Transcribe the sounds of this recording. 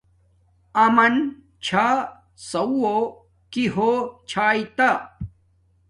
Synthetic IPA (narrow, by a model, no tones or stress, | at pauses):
ɐmɐn | t͡ɕʰaː | sɐwo | kiɦot͡ɕʰaːit̪a